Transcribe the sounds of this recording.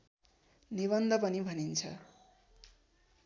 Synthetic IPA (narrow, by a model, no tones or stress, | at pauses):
niβʌnd̪ʱʌpʌnibʱʌnint͡sʰʌ̰